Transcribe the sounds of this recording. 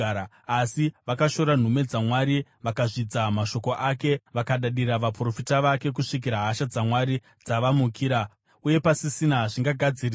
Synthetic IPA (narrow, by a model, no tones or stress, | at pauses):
asiʋakaʃo̞ɾan̤ume̞d͡zamwaɾiʋakaʐid͡zamaʃo̞ko̞ʔake̞ʋakaɗaɗiraʋapro̞fitaʋake̞k̬uʂik̬iɾaɦaʃad͡zamwaɾi | d͡zaʋamukʰiɾa | uje̞pasisinaʐiŋɡaɡʱad͡ziri